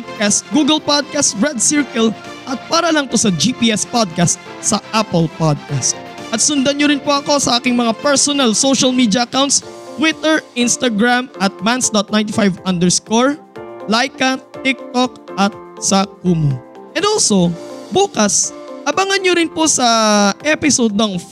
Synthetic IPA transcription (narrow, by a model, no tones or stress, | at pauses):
d̪̚kast̪̚ɡuːɡɛlpad̪̚kast̪ɹɛd̪̚sɪɹkɐl | ʔɐt̪̚paːɾɐlɐŋp̪osɐd͡ʒipiʔɛspad̪̚kast̪̚ | sɐʔapɛlpad̪̚kast̪̚ʔɐt̪sʊnd̪ɐnɲoɾɪnpoʔɐko̞sɐʔaːkɪŋmɐŋapɛɹsɔnalsoʃɐlmid̪jɐʔɐkawnt̪st̪wɪt̪ɛɹɪnst̪ɐɡɹamʔɐt̪̚mansd̪ɔt̪̚najnt̪̬ɪfajvɐnd̪ɛɹskoɹ | lajkɐt̪ɪk̚t̪ok̚ʔɐt̪̚sɐk̚ːum | ʔɛ̃nd̪olso̞buːkɐsɐbɐŋɐnɲoɾɪnposɐʔɛpɪsod̪̚nɐŋ